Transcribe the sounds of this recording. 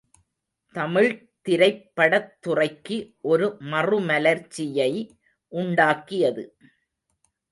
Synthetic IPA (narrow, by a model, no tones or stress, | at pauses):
t̪ɐmɪɻ | t̪ɪɾɐɪpːɐɽɐt̪ːʊrɐɪkːɯʔɔɾɯmɐrɯmɐlɐɾt͡ʃːɪjɐɪ | ʔʊɳɖaːkːɪjɐðɯ